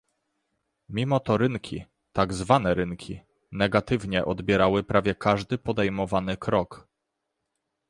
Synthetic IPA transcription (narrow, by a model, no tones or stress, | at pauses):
mʲimɔt̪ɔɾɘnkʲi | t̪aɡzvanɛɾɘŋkʲʰi | nɛɡat̪ɘvɲɛʔɔd̪bʲjɛɾawɘpɾavʲjɛkaʐd̪ɘpɔd̪ɛjmɔvanɘkɾɔk